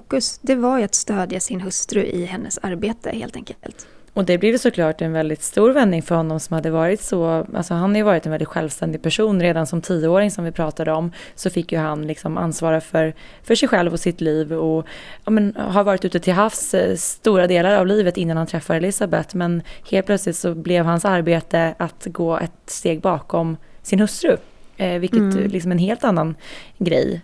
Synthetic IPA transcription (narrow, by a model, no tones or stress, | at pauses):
kːɵsd̪ɛvaɾjat̪st̪øːd̪jasɪnɦɵst̪ɾɵʔɪ̰hɛnːə̰saɾbeːt̪ə̰hḛːlt̪ʰɛ̰ŋklt̪ | ɔd̪ɛblɪvjsɔkʰlɑːʈɛnvɛld̪ɪt̪st̪uːɾvɛnːɪŋfœɾhɔnːɔmsɔmhad̪ːəvɑːɾɪt̪sɔʔa̰lsɔɦanhaɾjʏvɑːɾɪt̪ɛnvɛlɪt̪ɧɛ̰lvst̪ɛnd̪ɪɡ̚pʰæʂuːnɾeːd̪ansɔmt̪ʰiːəoːɾɪŋsɔmvɪpʰɾɑːt̪ad̪əɔmsɔfɪkːjɵɦanlɪksɔmʔa̰nsvɑːɾafœɾ | fœʂɛjɧɛlvɔsɪt̪liːvɔɑːmɛnɦaɾvɑːɾɪt̪ʉ̟ːt̪ət̪ʰɪlɦafsst̪uːɾad̪eːlaɾavliːvət̪ɪnːanhant̪ʰɾɛfːaɾɛlɪsabɛt̪ːmɛnheːlpʰlœt̪slɪt̪sɔblɛvɦansaɾbeːt̪əat̪ɡoːʔɛ̰t̪st̪eːɡ̚bɑːkɔmsɪnhɵst̪ɾɵvɪlkkːət̪lɪks̬ɔmɛnɦeːlt̪anːanɡɾɛ̰j